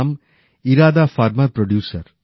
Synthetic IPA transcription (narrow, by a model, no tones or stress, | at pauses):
m | iɾaːd̪aːfaːɾmɐɾpɾɔɖjuːsɐɾ